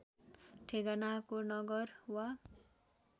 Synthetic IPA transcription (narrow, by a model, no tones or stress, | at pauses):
ʈʰeɡanakonʌɡʌrwa